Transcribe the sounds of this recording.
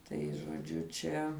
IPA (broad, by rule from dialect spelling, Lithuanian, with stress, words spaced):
tɐɪ ʒoːˈd͡ʒʲʊ ˈt͡ʃʲɛ